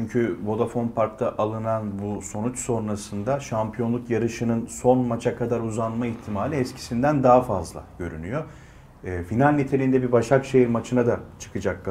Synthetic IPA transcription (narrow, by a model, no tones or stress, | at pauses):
t͡ʃyɲcʰybo̞d̪afo̞npʰaɾk̚t̪ʰaʔalˠɯnanbuso̞nut͡ʃso̞nɾasɯnd̪aʃampʰijo̞nlˠukjaɾɯʃɯnɯnso̞nmat͡ʃʰakʰad̪aɾuzanmaiçt̪ʰimaːlʲiɛscʰi̥sind̪ænd̪aɦafazlˠa̰ɟ̥ø̞̰ɾy̰nyjo̞ | ɛːfinalʲːit̪ʰelʲind̪ɛbibaʃakʃejimat͡ʃʰɯnad̪at͡ʃʰɯ̥kʰɯd͡ʒak̚ː